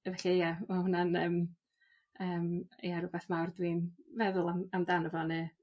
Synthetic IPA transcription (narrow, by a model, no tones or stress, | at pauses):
vɛɬajamahʊnanəːm | əːmjaɾʊbɛθmawrdwiːnvɛðʊlˠamamdanəvɔnɨ